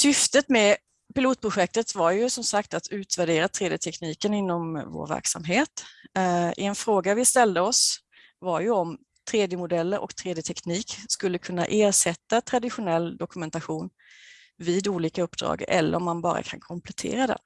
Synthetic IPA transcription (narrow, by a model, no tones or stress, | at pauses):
sʏft̪ət̪mɛ | pɪluːt̪̚pʰɾʊɧɛk̚t̪ət̪vaɾjɵsɔmsakt̪at̪ʰʉ̟ːt̪væɖeːɾat̪ʰɾeːd̪jət̪ʰɛkniːkənɪnːɔmvo̰ːɾvæ̰ɾksa̰mɦeːt̪ | ʔɛnfɾoːɡavɪst̪ɛld̪əɔs | vaɾjɵɔm | t̪ʰɾeːd̪jəmʊd̪ɛlːəɾʔɔ̰kt̪ʰɾeːd̪jət̪ʰɛkniːkskɵlːəkʰɵnːa̰ʔeːɾʂɛt̪ːat̪ʰɾad̪ɪɧʊnɛlːd̪ɔkɵmɛnt̪aɧuːn | viːd̪uːliːkaɵpːd̪ɾɑ̰ːɡɛ̰lːə̰ɾɔmːanbɑːɾa̰kʰa̰nkʰɔmplɛt̪ʰḛːɾad̪ɛ̰